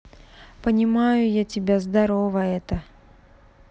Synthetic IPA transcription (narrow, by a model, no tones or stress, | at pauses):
pənʲɪmajʊjatʲɪbʲazd̪ɐɾovəɛt̪ə